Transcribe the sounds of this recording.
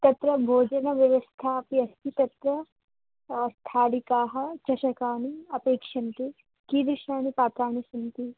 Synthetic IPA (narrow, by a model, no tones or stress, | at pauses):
t̪ɐt̪ɾɐbʱoːd͡ʒɐnɐʋjɐʋɐst̪ʰapiɐst̪it̪ɐt̪ɾɐ | st̪ʰaːlikaːɦɐt͡ʃɐʃɐkaːniɐpeːkʃɐnt̪i | kid̪ɾɪʃnaːnipaːt̪ɾaːnisʊnt̪i